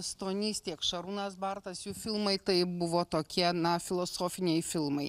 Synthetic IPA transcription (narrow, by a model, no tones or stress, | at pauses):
ɐst̪oːnʲiːst̪ʲiɛkʃɐɾunɐsbɐɾt̪ɐsjuːfʲɪlˠmɐɪt̪ɐɪbʊʋoːt̪oːkʲiɛnɐfʲɪlˠosoːfʲɪnʲɛɪfʲɪlˠmɐɪ